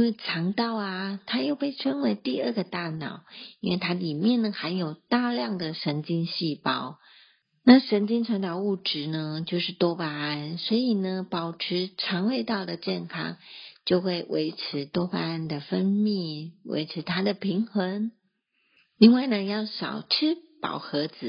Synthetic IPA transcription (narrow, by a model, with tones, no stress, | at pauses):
nwe˥˩ɪʈ͡ʂʰɑ˧˥ŋt̪ɑ˥˩ʊa˩t̪ʰa˥jo˥˧ʊpe˥˩ɪʈ͡ʂʰə˥nwe˧˥ɪt̪i˥˧ə˞˥˧˩ɡə˩t̪a˥˩nɑ˨˩˦ʊi˥nwe˥˩ɪt̪ʰa˥li˨˩mjɛ˥˩nnə˩xa˧˥njo˨˩ʊt̪a˥˧ljɑ˥˩ŋd̪ə˩ʂə˧˥nt͡ɕi˥nɕi˥˩pɑ˥˩ʊ | na˥˨˩ʂə˧˥nt͡ɕi˥nʈ͡ʂʰa˧˥ŋt̪ɑ˧˥ʊu˥˩ʈ͡ʂɻ̩˧˥nə˧t͡ɕjo˥˧ʊʂɻ̩˥˩t̪wɔ˥pa˧˥a˥nswɔ˧˥i˨˩nə˩pɑ˨˩ʊʈ͡ʂʰɻ̩˧˥ʈ͡ʂʰɑ˧˥ŋwe˥˧ɪt̪ɑ˥˩ʊd̪ə˩t͡ɕjɛ˥˩nkʰɑ̰˥ŋt͡ɕjo˥˧ʊxwe˥˩ɪwʔḛ˧˥ɪʈ͡ʂʰɻ̩˧˥t̪wɔ˥pa˧˥a˥nd̪ə˨fə˥nmi˥˩wʔḛ˧˥ɪʈ͡ʂʰɻ̩˧˥t̪ʰa˥d̪ə˨pʰi˧˥ŋxə˧˥ŋ | li˥˧ŋwa˥˩ɪnə˩jɑ˥˩ʊʂɑ̰˨˩ʊʈ͡ʂʰɻ̩˥pɑ̰˨˩ʊxɤ˧˥d͡zɹ̩˨˩˦